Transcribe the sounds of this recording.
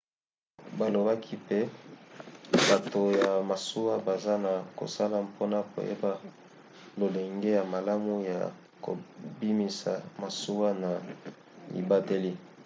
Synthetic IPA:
ba˨lo˨ba˦kʰi˦pe˦ | ba˨to˨ja˨ma˨su˦wa˦ba˨za˦na˨ko̰˨sa˦la˦mpʰo˦na˦ko̰˨jḛ˦ba˦ | lo˨le˨ŋɡe˦ja˨ma˨la˦mu˦ja̰˨ | ko̰˨bi˦mi˨sa̰˨ma˨su˦wa˦na˨ | ḭ˨ba˦te˦li˦

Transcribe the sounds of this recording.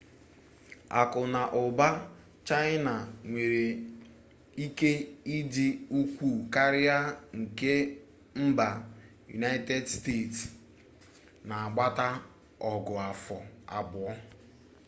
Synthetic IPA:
a̰˨kʊ˨na˨ʔʊ˨ba˦ | t͡ʃa˦ɪ˦na˨ŋʷe˨ɾe˨ | i˦ke˦i˦di˦u˦kʷu˦˨ka˦ɾɪ˦a˦ŋ̩˨ke˦ | m̩˦ba˨ | jṵ˨na˦ɪ˦te˦dste˦˨ts | na˨a˨ɡ͡ba˦ta˦ | ɔ˨ɡʊ˨a˨fɔ˨a˨bʊ˨ɔ˦

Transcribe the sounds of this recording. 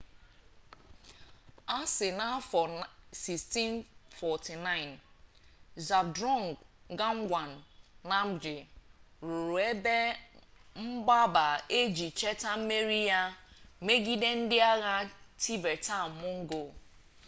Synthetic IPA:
a˦sɪ˨na˦fɔ˨si˨sti˦nfɔ˨ti˨na˦ɪ˨n | za˨b̚dɾɔ˦˨ŋ˨ɡ | ɡa˦ŋ̩˦ɡʷa˨n̩ː˨a˦m̩˦d͡ʒɪ˨ɾʊ˨ɾʊ˨e˦be˦ | m̩˦ɡ͡ba˦ba˨e˦d͡ʒi˨t͡ʃe˦ta˦m̩˦me˦ɾi˦ja˦me˦ɡi˦de˦n̩˦dɪ˦a˦ɣa˦tʰi˦be˨ta˦˨mʊ˦ŋ̩˦ɡo˨

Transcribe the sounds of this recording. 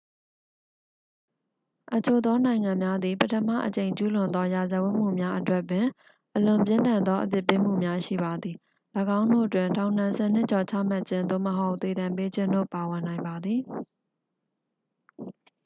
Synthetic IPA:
ʔət͡ɕo˨d̪ɔ˦nã˨ɪ̃ŋã˨mja˦d̪i˨pətʰəma̰˦˨ʔət͡ɕẽ˨ɪ̃ɲt͡ɕu˦lʊ̃˨nd̪ɔ˦ja˨zə˨wʊ˦ʔm̥ṵ˦˨mja˦ʔətwɛ˦ʔpːɪ̃˨ | ʔəlʊ̃˨mpjɪ̃˦nt̪ã˨nd̪ɔ˦ʔəp̬jɪ˦˨pːɪ˦m̥ṵ˦˨mja˦ʃḭ˦˨ba˨d̪i˨ | lə˨ɡã˦ʊ̃ndo̰˦˨ətwɪ̃˨ntã˨ʊ̃n̥ã˨sʰɛ˦˨n̥ɪ˦ʔt͡ɕɔ˨t͡ɕʰä̰˦˨ma˦ʔt͡ɕʰɪ̃˦nd̪o̰˦˨məɦo˦ʊʔt̪e˨ɾã˨mpe˦d͡ʑɪ̃˦ndo̰˦˨pa˨wɪ̃˨nã˨ɪ̃mba˨d̪ði˨

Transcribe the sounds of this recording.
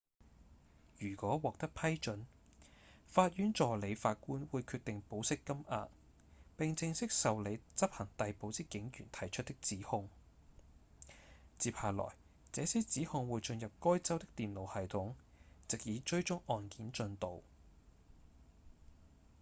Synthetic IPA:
jyː˨˩kɔː˨˥wɔː˨k̚t̪ɐ˥k̚pʰɐ˥jt͡ʃɵ˨˥n | faː˧t̚jyː˨˥nt͡ʃɔː˨le˨˧jfaː˧t̚kuː˥nwuː˨˧jkʰyː˧t̪̚ɪ˨ŋpo˨˥wsɪ˥kːɐ˥mʔa̰ː˧t̚ | pɪ˨ŋt͡sɪ˧ŋsɪ˥k̚sɐ˨wle˨˧jt͡sɐ˥p̚hɐ˨˩ŋt̪ɐ˨jpo˨˧wt͡siː˥kɪ˨˥ŋjyː˨˩nt̪ʰɐ˨˩jt͡ʃʰt̚t̪ɪ˥k̚t͡siː˨˥hʊ˧ŋ | t͡siː˨˧p̚haː˨lɔ̰ː˨˩j | t͡sɛː˨˧˥siː˥t͡siː˨˥hʊ˧ŋwuː˨˧jt͡ʃɵ˧njɐ˨p̚kɔː˥jt͡sɐ˥wt̪ɪ˥k̚t̪iː˨nlo˨˧whɐ˨jt̪ʰʊ˨˥ŋ | t͡sɪ˨k̚jiː˨˧t͡ʃɵ˥ɥt͡ʃʊ˥ŋɔː˨nkiː˨˥nt͡ʃɵ˧nt̪o˨w

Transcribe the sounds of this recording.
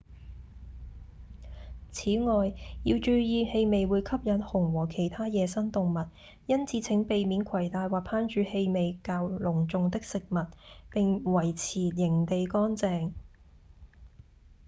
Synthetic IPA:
t͡sʰiː˨˥ŋɔː˨jjiː˧wt͡ʃyː˧jiː˨˧he˧jme˨jwuː˨˧jkʰɐ˥p̚jɐ˨˥nhʊ˨˩ŋwɔː˨˩kʰe˨˩jt̪ʰaː˥jɛː˨˧sɐ˥nt̪ʊ˨ŋmɐ˨t̚ | jɐ˥nt͡sʰi˨˧˥t͡sʰɪ˨˥ŋpe˨jmiː˨˥nkʰɐ˨˩jt̪aː˨jwaː˨˩pʰaː˥nt͡ʃyː˨˧he˧jme˨˧jkaː˧wlʊ˨˩ŋt͡sʊ˨˧ŋt̪ɪ˥k̚sɪ˨k̚mɐ˨t̚pɪ˨ŋwɐ˨˩jt͡sʰiː˨˩jɪ˨˩ŋt̪e˨jkɔː˥nt͡sɛː˨˧ŋ

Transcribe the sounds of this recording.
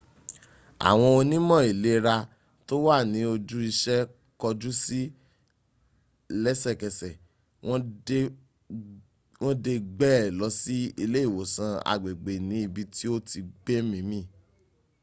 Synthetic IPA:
a̰˨w̃ɔ̃˧o˧nĩ˦mɔ̃˦˨i˨le˨˦ɾa˧ | to˦wa˦˨nĩ˨˦o˧d͡ʒu˦i˧ʃɛ˦ | kɔ˧d͡ʒu˦si˦ | lɛ˦sɛ˦˨kɛ˨sɛ˨ | w̃ɔ̃˦ | w̃ɔ̃˦de˧ɡ͡bɛ˦˨lɔ˨˧˦si˦i˧le˦i˦˨wo˨sã˧a̰˨ɡ͡be˨ɡ͡be˨nĩ˨˦i˧bi˧tʰi˦o˦tʰi˧ɡ͡be˦mĩ˧˦mĩ˦˨

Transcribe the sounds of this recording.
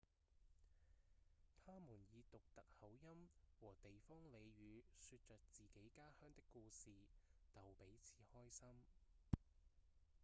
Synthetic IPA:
t̪ʰaː˥muː˨˩njiː˨˧t̪ʊ˨k̚t̪ɐ˨k̚hɐ˨˥wjɐ˥mwɔː˨˩t̪e˨jfɔː˥ŋle˨˧jɥyː˨˧syː˧t̚t͡ʃœː˨k̚t͡siː˨ke˨˥jkaː˥hœː˥ŋt̪ɪ˥kːuː˧siː˨t͡sɐ˨wpe˨˥jt͡sʰi̥ː˨˥hɔː˥jsɐ˥m

